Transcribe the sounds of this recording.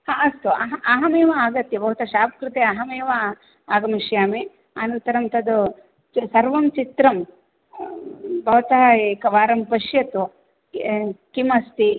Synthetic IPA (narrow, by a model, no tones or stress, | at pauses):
haɐst̪uɐ̰ɦaɦɐmeːʋɐaːɡɐt̪jɐbʱɐʋɐt̪ɐʃaːpɐkɾɪt̪eːɐɦɐmeːʋɐ | aːɡɐmɐʃjaːme | anɐnt̪ɐɾɐmt̪ɐd̪u | sɐɾʋɐmt͡ʃit̪ɾɐm | bʱɐʋɐt̪ɐekɐʋaːɾɐmpɐʃjɐt̪u | kimɐst̪i